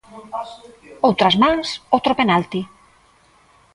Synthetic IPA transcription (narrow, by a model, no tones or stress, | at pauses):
owt̪ɾɐzmãŋsot̪ɾopenalt̪i